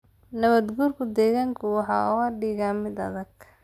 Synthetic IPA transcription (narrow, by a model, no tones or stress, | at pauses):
nɐβɐd̪ɡuːrkʰʊd̪ɛːɣaːŋkʰʊwɑħɑ̰ːɔwaːɖiːɣaːmɪd̪ɐ̰ðɐɡ